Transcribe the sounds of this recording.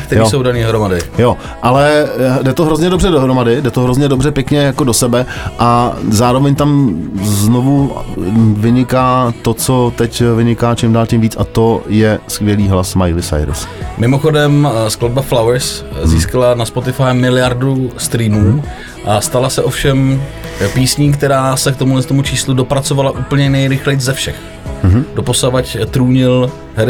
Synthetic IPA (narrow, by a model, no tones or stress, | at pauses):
kt̪ɛɾjiosowdaniːoɦɾomadɪjo | ʔalɛdɛt̪oɦɾo̞zɲɛdobrɛdoɦɾomadɪdɛt̪oɦɾozɲɛdobrɛpjɛkɲɛjako̞do̞sɛbɛʔazaːɾo̞vɛɲt̪amznovu | vɪɲɪkaːt̪o̞t͡so̞t̪ɛcvɪɲɪkaːt͡ʃɪmdaːlcɪmviːt͡sʔat̪o̞jɛskvjɛliːɦlasmajlɪsa̰jɾ̰smɪmoxo̞dɛmsklad̚baflawɛɾsziːskalanaspot̪ɪfajmɪlɪjaɾdust̪ɾiːmuː | ʔast̪alasɛʔo̞fʃɛmpiːsɲiːkt̪ɛɾaːsɛkt̪omulɛst̪omut͡ʃiːsludo̞pɾat͡so̞valaʔuːpl̩ɲɛnɛjɾɪxlɛjt͡szɛfʃɛx | do̞po̞slavact̪ɾuːɲɪl | ɦɛɾ